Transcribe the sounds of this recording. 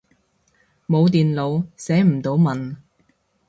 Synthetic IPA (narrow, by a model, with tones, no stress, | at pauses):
mo˨˧wt̪iː˨nlo˨˧wsɛː˨˥m̩˨˩t̪o˨˧wmɐ˨n